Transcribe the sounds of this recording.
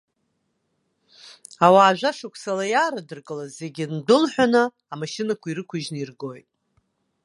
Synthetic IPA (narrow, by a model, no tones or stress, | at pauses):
awaːʒʷᶣaʂakʷʰsalajaːɾadɨrkʼɨlazze̞ɡʲindʊlħʷᶣanɨː | maʃɪnakʷʰaiɾɨkʷʰʊʒnɨirɡo̞jtʼ